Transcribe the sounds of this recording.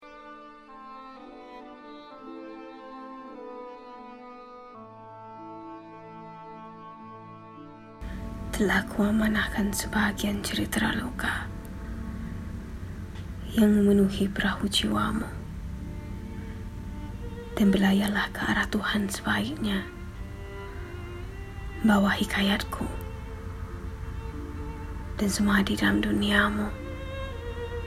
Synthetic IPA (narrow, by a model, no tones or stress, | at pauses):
t̪əlahkʰuamanahkansəbaɡiant͡ʃəɾit̪ɾa̰loka | jaŋməmənuhipəɾahut͡ʃiwamo | d̥anbəlajalahkəa̰ɾaht̪uhansə̥baik̚ɲa | bawahikʰajat̪̚kʰu | d̥ansəmaadidalamduniamo